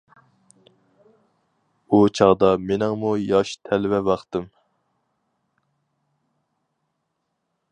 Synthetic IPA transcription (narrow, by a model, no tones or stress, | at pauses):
ut͡ʃʰɑʁd̪ɑmenɪŋmujɑʃt̪ʰɛlɪvɛvɑχt̪ɨm